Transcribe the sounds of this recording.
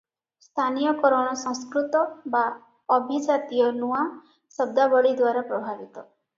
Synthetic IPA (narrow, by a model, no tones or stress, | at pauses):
st̪ʰanijɔkɔɾɔɽ̃ɔsɔ̃ŋskɾut̪ɔba | ɔbʱid͡ʒat̪ijɔnua | sɔb̚d̪abɔɭid̪waɾapɾɔbʱabit̪ɔ